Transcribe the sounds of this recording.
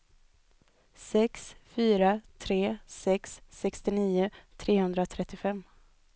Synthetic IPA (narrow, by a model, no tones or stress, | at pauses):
sɛksfyːɾat̪ʰɾeːsɛksːɛkst̪ɪniːʊt̪ʰɾeːhɵnd̪ɾat̪ʰɾɛt̪ːɪfɛmː